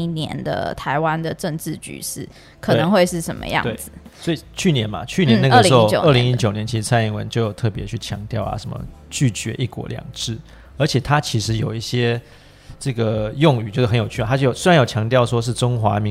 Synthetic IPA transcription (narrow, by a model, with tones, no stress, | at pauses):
i˥njɛ̰˧˥nd̪ə̰˧t̪ʰa˧˥ɪwa˦nd̪ə˨ʈ͡ʂə˥˧ŋʈ͡ʂɻ̩˥˩t͡ɕy̰˨˩˦ʂɻ̩˥˩ | kʰə˨˩e˩nə˧˦ŋxwe˥˧ɪʂɻ̩˥˩ʂə˧˥nmə̰˧jɑ̰˥˧t̪ŋe˩d͡z̩˩swɔ˧˥i˨˩t͡ɕʰy˥˩njɛ˧˥nmɐ̰˨t͡ɕʰy˥˩njɛ˦na˥ɡʂli˧˥o˥˧jo˨ə˥˩li˧˦ŋi˦˥t͡ɕjo˨˩ʊnjɛ˧˦nt͡ɕʰi˧˥ʂɻ̩˧˥t͡sʰa˥˧ni˥˩ŋwə̰˧˦nt͡ɕjo˥˩ʊjo˨˩ʊt̪ʰɤ˥˩pjɛ˧˥t͡ɕʰy˥˩t͡ɕʰjɑ̰˧˥ŋt̪jɑ˥˩ʊɐ̰˨˩ʂə˧˥mə̰˧t͡ɕy˥˩t͡ɕɥɛ̰˧˥ʔi˥˩kwɔ̰˧˥ljɑ̰˨˩ŋʈ͡ʂɻ̩˥˩ | ə˞˧˥t͡ɕʰjɛ˨˩t̪ʰa˥t͡ɕʰi˧˥ʂɻ̩˧˥jo˨˩ʊi˥˩ɕjɛ˥ | ʈ͡ʂɤ˥˩ɡə˩jʊ˥˩ŋy˨˩t͡ɕjxə˧˦njo˨˩ʊt͡ɕʰy˥˩a˨˩a˥t͡ɕo˥˩˨ʊswe˥ɻa˧˦njo˨˩t͡ɕʰjɑ˧˥ŋt̪jɑ˥˩ʊʂwɔ˥ʂ̬̩˥˩ʈ͡ʂʊ˥ŋxwa˧˥mi˧˦